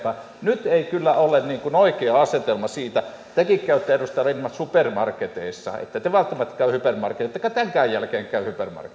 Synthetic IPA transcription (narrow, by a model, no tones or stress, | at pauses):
pɑ | nyt̪eikylːæolenniːŋkunoˑikeɑɑset̪elmɑsiːt̪æ | t̪ækikkæˑyt̪ːˑæerust̪ɑlinmɑsupermɑrkːet̪ḛˑisːɑ̰ḛt̪ːæt̪eʋɑlt̪ːɑmɑt̪ːkæˑyhypermɑrkːˑet̪et̪ːˑekːɑt̪æŋkæˑːjjælkeːŋkæˑyhypermɑ̰rk